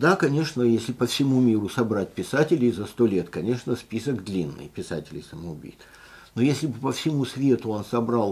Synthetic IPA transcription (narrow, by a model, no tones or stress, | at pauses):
d̪akɐnʲe̞ʂnəjesʲlʲɪpəfsʲɪmumʲiɾʊsɐbɾat̚ʲpʲɪsatʲɪlʲɪzɐst̪o̞lʲe̞t̪kɐnʲe̞ʂnəspʲisəɡd̪lʲinːɨ̰jpʲɪsatʲɪlʲɪ̰jsəməʊbʲḭt̪ | nojesʲlʲɪbɨpəfsʲɪmusvʲe̞t̪ʊonsɐbɾalˠ